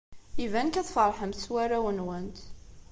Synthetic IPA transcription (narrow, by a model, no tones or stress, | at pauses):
ivænkæθfərˤħəmswæɾæwənwənt̪